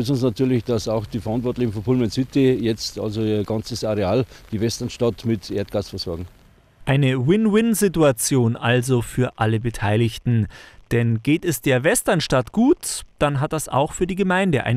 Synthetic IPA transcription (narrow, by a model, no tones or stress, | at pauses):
sʊnsnatʰyːɐlɪçd̥asaʊxd̥iːfɛɐʔantv̥ɔɐtlɪçn̩fɔnpʰulmɛnsytijɛt͡sta̰lzoiːɐɡant͡səsaʁeaːld̥iːvɛstɐnʃtatmɪtʰʔḛːɐt̚ɡ̥aːsfɛɐz̥ɔɐɡŋ̩ | ʔaɪnəwɪnwɪnzɪtuat͡sjoːnʔalzofyːɐʔaləbətʰaɪlɪçtn̩d̥ɛnɡeːtɛsd̥eːɐvɛstɐnʃtatɡ̥uːtd̥anɦat̚d̥asa̰ʊxfyːɐdiːɡəmaɪndəʔa̰ɪ